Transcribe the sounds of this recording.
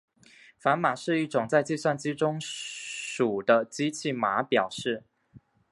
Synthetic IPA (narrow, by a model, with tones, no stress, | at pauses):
fa˧˦˥nma˨˩ʂɻ̩˥˧i˥˩ʈ͡ʂʊ˨˩ŋt͡sa˥˧ɪt͡ɕi˥˧swa˥˧nt͡ɕi˥ʈ͡ʂʊ˥ŋ | ʂu˨˩d̪ə˦t͡ɕi˦t͡ɕʰi˥˩ma˧˦pjɑ˨˩ʊʂɻ̩˥˩